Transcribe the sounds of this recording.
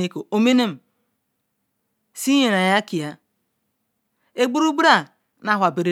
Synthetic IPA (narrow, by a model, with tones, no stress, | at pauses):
e˦ko˨o˦me˦ne˦m̩˨ | si˦ɲe˨na˨ja˦ki˨ja˦ | e˦ɡ͡bu˦ɾu˦ɡ͡bu˦ɾa˨ | na˦ɦʷwa˨be˨ɾe˦